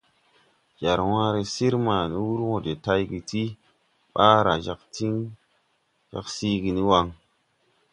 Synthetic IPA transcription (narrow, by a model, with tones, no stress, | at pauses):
d͡ʒa˨ɾwãː˦ɾe˨si˦ɾma˨ni˦wu˦ɾwõ˨de˨ta˦jɡi˨ti˦ | ɓa˦ɾa˨ʒa˨kti˦ŋ | ʒ̥a̰˨ksi˦ɡi˨ni˦wa˧ŋ